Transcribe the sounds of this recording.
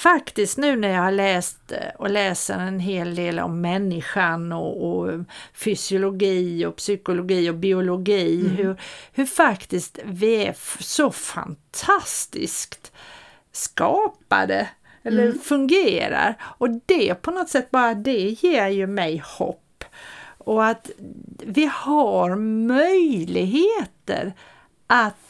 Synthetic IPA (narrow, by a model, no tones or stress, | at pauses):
fakt̪ɪskt̪nʉ̟ːnæɾjɑːhaɭɛːst̪ɔlɛːsə̰ɾɛnɦeːld̪eːlɔ̰mːɛnːɪɧanɔːfʏsɪʊlʊɡiːɔpsʏkʊlʊɡiːɔbɪʊlʊɡiːɦɵɾhɵfakt̪ɪst̪vɪæsɔfa̰nt̪ʰast̪ɪ̰skt̪ | skɑːpa̰d̪ə̰ | ɛlːəfɵŋɡeːɾa̰ɾɔd̪ɛpʰɔnɔt̪sɛt̪ːbɑːɾad̪ɛjeːɾjɵmɛjhɔ̰pːɔat̪vɪhaɾmœjlɪɡɦeːt̪ə̰ɾ | ʔat̪